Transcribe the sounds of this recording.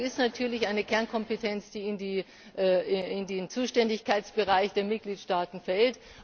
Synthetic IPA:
ɪstnatʰyːɐlɪçʔaɪnəkʰɛɐnkʰɔmpətʰɛnt͡sd̥iːɪndiː | ʔɪndent͡suːʃtɛndɪçkʰaɪt͡sb̥əʁ̞aɪçd̥eːɐmɪt̚ɡ̥liːtʃtaːtn̩fɛlt

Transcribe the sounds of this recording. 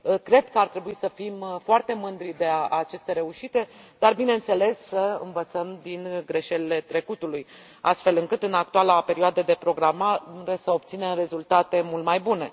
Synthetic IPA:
kɾe̞d̪kəart̪ɾe̞buisəfimfoart̪e̞mɨnd̪ɾid̪e̞aat͡ʃe̞st̪e̞ɾe̞uʃit̪e̞d̪̥arbine̞nt̪se̞le̞sːəɨ̰nvət̪səmd̪inɡɾe̞ʃelile̞t̪ɾe̞kut̪uluj | a̰st̪fe̞lɨŋkɨt̪ɨnak̚t̪ualape̞ɾioad̪əd̪e̞pɾo̞ɡɾamaɾesəo̞p̚t̪sine̞mre̞zult̪at̪e̞mult̪majbune̞

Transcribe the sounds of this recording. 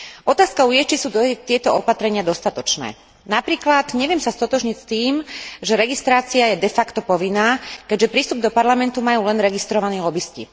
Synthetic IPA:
ʔɔt̪aːskaujɛt͡ʃisuːt̪ɪɛt̪ɔɔpat̪ɾɛɲɪad̪ɔst̪at̪ɔt͡ʃnɛ̰ː | napɾiːklat̪ɲɛʋɪɛmsast̪ɔt̪ɔʒɲicst̪iːmʒɛɾɛɡist̪ɾaːt͡siajɛd̪ɛfakt̪ɔpɔʋinːaːkɛɟʒɛpɾist̪ub̚d̪ɔpaɾlamɛnt̪umajuːlɛnɾɛɡist̪ɾɔʋanɛːlɔbiscḭ

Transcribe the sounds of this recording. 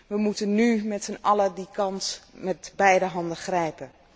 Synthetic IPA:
ʋəmutənnymɛtsənɑlədikʰɑnsmɛtbɛjdəɦɑndəxrɛjpə

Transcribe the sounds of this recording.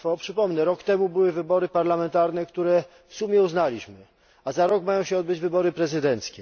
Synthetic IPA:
fɔpʂɘpɔmnɛɾɔkt̪ɛmubɘwɘvɘbɔɾɘpaɾlamɛnt̪aɾnɛkt̪uɾɛ | fsumʲjɛuznalʲiɕmɘ | azaɾɔkmajɔ̃w̃ɕɛɔd̪bɘd͡ʑvɘbɔɾɘpɾɛzɘd̪ɛnt̪skʲɛ

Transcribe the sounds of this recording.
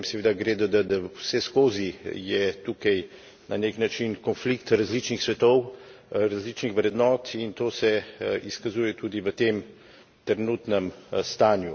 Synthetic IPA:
msɛʋeːd̪aɡɾeːd̪ad̪ad̪awsɛskoːzijɛt̪ukɐj | naneknat͡ʃinkɔnflikt̪ɾazlit͡ʃnixsʋɛt̪ɔw | ɾazlit͡ʃnixʋɾɛd̪nɔːt̪int̪oːsɛiskazuːjɛt̪uːd̪iʋət̪eːm | t̪ɾɛnuːt̪nɛmst̪aːnju

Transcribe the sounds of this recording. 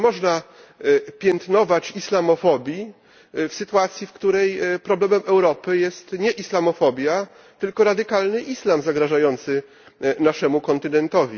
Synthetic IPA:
mɔʐna | pʲjɛnt̪nɔvat͡ɕislamɔfɔbʲji | fsɘt̪uat̪sʲjifkt̪uɾɛjpɾɔblɛmɛmʔɛwɾɔpɘjɛst̪ɲɛʔislamɔfɔbʲja | t̪ɘlkɔɾad̪ɘkalnɘʔislamzaɡɾaʐajɔnt̪sɘ | naʂɛmukɔnt̪ɘnɛnt̪ɔvʲi

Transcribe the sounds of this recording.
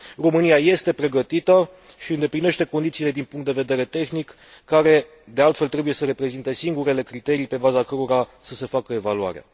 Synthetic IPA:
ro̞mɨniaje̞st̪e̞pɾe̞ɡət̪it̪ə | ʃiɨnd̪e̞pline̞ʃt̪e̞kond̪it̪siːle̞d̪inpuŋkt̪d̪e̞ve̞d̪e̞ɾe̞t̪e̞xnikː | aɾe̞ | d̪e̞alt̪felt̪ɾe̞buje̞səɾe̞pɾe̞zint̪e̞siŋɡuɾe̞le̞kɾit̪e̞ɾipe̞bazakəɾo̞ɾasəse̞fakəe̞valua̰ɾea̰

